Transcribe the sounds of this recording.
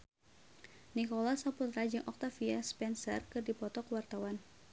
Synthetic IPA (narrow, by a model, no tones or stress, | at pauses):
nikɔlasaput̪ɾad͡ʒɨŋʔɔk̚t̪afiaspɛnsə̰rkɨrdipɔt̪ɔkwart̪awan